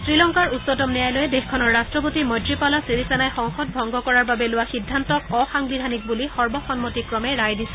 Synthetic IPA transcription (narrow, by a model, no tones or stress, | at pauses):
sɹilɔŋkaɹutsɔtɔmnɛjajlojɛdexkʰɔnɔɹːastɹɔpotimɔdɹipalɔsiɹisanajxɔŋxɔt̚bʱɔŋɡɔkɔɹaɹbabɛlʊwaxidʱːantɔkɔxaŋbidʱanik̚bulixɔɹbɔxɔnmɔtikɹɔmɛɹajdisɛ̥